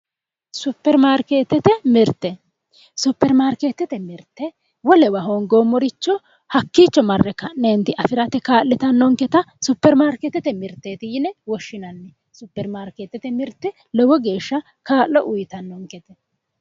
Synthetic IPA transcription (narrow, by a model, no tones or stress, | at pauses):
sʊpːɛɾmaːɾkeːt̪ːɛt̪ɛmɪɾt̪ːɛ | supːɛɾmaːɾkeːt̪ːɛt̪ɛmɪɾt̪ːɛ | wɔlɛwɐɦoːnɡoːmːɔɾɪt͡ʃːɔ | hɐkːiːt͡ʃːɔmɐrːɛkɐnːeːnt̪ɪʔɐfɪɾɐt̪ɛkaːlːɪt̪ɐnːɔŋkɛt̪ɐsʊpːɛɾmaːɾkɛt̪ːɛt̪ɛmɪɾt̪ːeːt̪ɪjɪnɛwɔʃːɪnɐnːɛ | sʊpːɛɾmaːɾkeːt̪ːɛt̪ɛmɪɾt̪ːɛ | lɔwɔɡe̞ːʃːɐ | kaːlːɔʔʊjɪt̪ɐnːɔŋkɛt̪ɛ